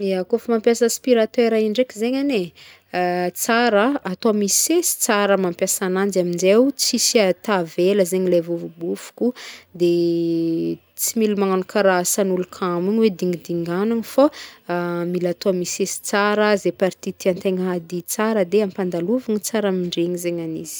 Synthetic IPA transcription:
eakofmampjasəspiɾat̪eɾaiɳɖ͡ʐekizeɲane | t͡saɾəat̪oamisesi̥t͡saɾəmampjasanand͡ʒamind͡ʒewt͡sisiat̪aveləzeɲilevuvubufu̥kud̪e | t͡similimaŋnukaɾasanulukʰamuɲwed̪iŋid̪iŋɡanaŋfa | milat̪oamisesi̥t͡saɾəzepaɾt̪it̪iant̪eŋɦad̪it͡saɾəd̪eampand̪aluvaŋit͡saɾamiɳɖ͡ʐeɲizeɲaniz̥i̥

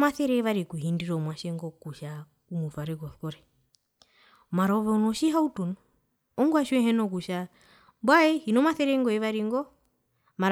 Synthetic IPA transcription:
maθɛɾɛβaɾikuɦindiɾɔmwaʃɛŋɡɔkuʃa | umufaɾɛɡɔθkɔɾɛ | maɾɔβɛunɔʃiɦautunɔ | ɔŋɡwaʃwɛɦɛnɔk̬uʃa | bwaɛhinɔmaθɛɾɛŋɡɔɛʋaɾiŋɡɔ | maɾ

